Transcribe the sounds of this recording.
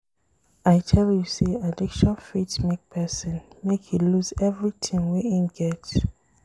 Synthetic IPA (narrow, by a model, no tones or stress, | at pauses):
aɪtʰɛljusiadikʃɔ̃nfitmek̚pʰɛsɔ̃nmekhiluzɛvɹitʰĩŋwɛĩmɡɛts